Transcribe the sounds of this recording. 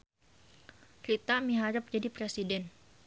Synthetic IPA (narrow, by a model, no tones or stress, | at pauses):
ɾit̪amiɦaɾəp̚d͡ʒadipɾesidɛn